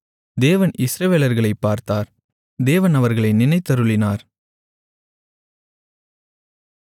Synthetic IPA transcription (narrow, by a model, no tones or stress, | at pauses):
d̪eːʋɐnɪsɾɐʋeːlɐɾɣɐɭɐɪpːaːɾt̪aːɾ | d̪eːʋɐnɐʋɐɾɣɐɭɐɪnɪnɐɪt̪ːɐɾɯɭɪnaːɾ